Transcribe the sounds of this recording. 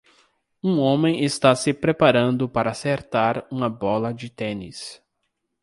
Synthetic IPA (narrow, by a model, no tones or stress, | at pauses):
ũõmẽj̃est̪asɪpɾepaɾɐ̃nd̪ʊpaɾɐaːseɾt̪aɾũmɐbɔlɐd͡ʒɪt̪ẽnḭs